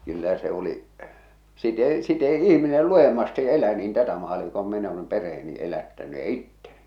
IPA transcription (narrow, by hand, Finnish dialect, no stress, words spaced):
kylːæ se o̝li sit eˑi sit eˑi ihminel luj̆emːɑstiʔ elæ niːn tætæ mɑːli kom min oleˑm perh̆eːni elætːæny jɑ itːen̥i̥